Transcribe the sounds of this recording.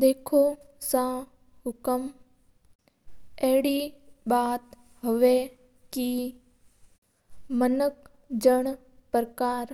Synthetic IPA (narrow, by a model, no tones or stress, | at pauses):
d̪eːkʰosãː | ɦʊkəm | ɛɦɪɽibaːt̪ | ɦoʋe | ki | mənək | d͡ʒəɳ̃ | pɾəkaːɾ